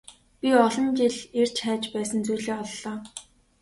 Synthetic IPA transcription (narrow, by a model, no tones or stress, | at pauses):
pʲiɔɮɞ̆nt͡ɕiɮer̥t͡ɕχæːt͡ɕpæːsə̆nt͡sujɮeːɔɮːɔː